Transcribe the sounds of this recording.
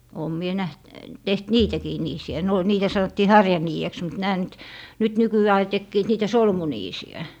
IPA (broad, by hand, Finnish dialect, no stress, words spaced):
oːm mie næht teht niːtækiː niːsiæ ne o niːtæ sɑnotːiː hɑrjɑniːeks mut næː nyt nyt nykyæː ɑi tekːiːt niːtæ solmuniːsiæ